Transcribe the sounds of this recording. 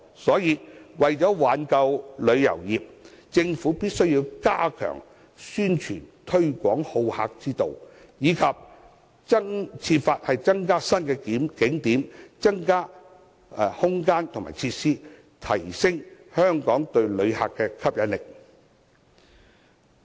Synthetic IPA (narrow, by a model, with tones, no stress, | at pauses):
sɔː˨˥jiː˧wɐ˨jt͡ʃɔː˨˥waː˨˥nkɐ˧wlɵ˨˧ɥjɐ̰˨˩wjiː˨p̚t͡sɪ˧ŋfuː˨˥piː˥t̚sɵ˥ɥjiː˧wkaː˥kʰœ̰ː˨˩ŋ | syː˥nt͡ʃʰy̰ː˨˩nt̪ʰɵ˥ɥkʷɔː˨˥ŋho˧wha̰ː˧k̚t͡siː˥t̪o˨w | jiː˨˧kʰɐ˨p̚ | ɐ˥t͡sʰiː˧t̚faː˧t̚hɐ˨jt͡sɐ˥ŋkaː˥sɐ˥nkɛ˧kɪ˨˥ŋt̪iː˨˥mt͡sɐ˥ŋkaː˥˨˧ | hʊ˥ŋkaː˥nt̪ʰʊ˨ŋma̰ː˨˩t͡sʰi˧t̚siː˥ | t̪ʰɐ˨˩jsɪ˥ŋhœː˥ŋkɔː˨˥ŋt̪ɵ˧ɥlɵ˨˧ɥha̰ː˨kːɛː˧kʰɐ˥p̚jɐ˨˧˥nlɪ˨k̚